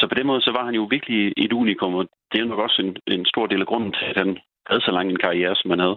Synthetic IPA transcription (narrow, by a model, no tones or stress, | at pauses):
sɒ̽pʰɒd̥enmɔ̽ːð̞ˠsɒ̽ʋɑ̈hænjo̝ʋiɐɡ̥lieduːnikʰɔ̽mɒ̽d̥e̝ænɒ̽ɡ̥ɒ̽senensd̥o̝ɐ̰d̥e̝̰ːlæɡ̥ʁɔ̽n̰n̩t͡sʰe̝æd̥hæn | hæð̞̩ˠsɒ̽lɑ̈ŋəenkʰɑ̈ieːɐsɒ̽mhænhæð̞ˠ